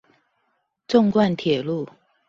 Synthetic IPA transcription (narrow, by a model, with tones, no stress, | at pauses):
ʈ͡ʂʊ˥˧ŋkwa˥˨nt̪ʰjɛ˨˩lu˥˨